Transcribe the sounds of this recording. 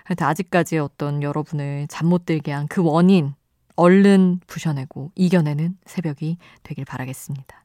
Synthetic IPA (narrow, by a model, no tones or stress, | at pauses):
antʰead͡ʑik̚k͈ad͡ʑiʌt͈ʌnjʌɾʌbunɯɭt͡ɕamːot̚t͈eɭɡiankɯwʌɲin | ʌɭːɯnpuɕʰʌne̞ɡoiɡjʌne̞nɯnsʰe̞bjʌɡi | twe̞ɡiɭpaɾaɡe̞s͈ɯmɲid̥ḁ